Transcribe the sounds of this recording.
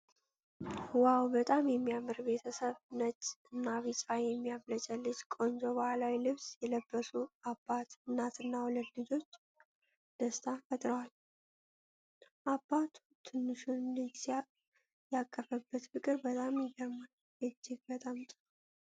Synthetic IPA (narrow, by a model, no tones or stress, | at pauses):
wawbət̪ʼamjɛmːijamɨɾbe̞t̪ʰəsəβnət͡ʃʼːɨnːaβisʼfajɛmːijaβlət͡ʃʼəlːɨd͡ʒkʼo̞nd͡ʒobəhalawilɨβsjɛləbːəsuabːat̪ɨnːat̪ɨnːawuləd̪ːɨd͡ʒo̞t͡ʃː | d̪̥əst̪ʰafət̪ʼɾəwal | ʔabːat̪ʰ | t̪ʰɨnːɨʃunlɨd͡ʒs | jakʼːəfəbːət̪fɨkʼɨɾbət̪ʼamjɪɡəɾmal | ʔɨd͡ʒːɪɡbət̪ʼamt̪ʼ